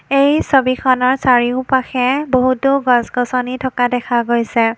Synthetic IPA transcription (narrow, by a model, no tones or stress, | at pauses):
ejsobikʰɔnɔɹsaɹiʊpaxɛboɦutʊɡɔsɡɔsɔnitʰɔkadɛkʰaɡojsɛ